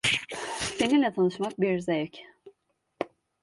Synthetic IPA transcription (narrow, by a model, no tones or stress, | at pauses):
se̞ninlʲɛt̪ʰanɯʃmak̚biɾzejɛc